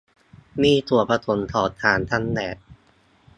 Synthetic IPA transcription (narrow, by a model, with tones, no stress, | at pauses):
miː˥˩t̪ʰuː˨˩˦ɐpʰa˧t̪ʰo˨˩˦nt̪ʰɔː˨˩t̪ʰːaː˨˦nt̪ʰa˥˩nːɛː˨˩t̪̚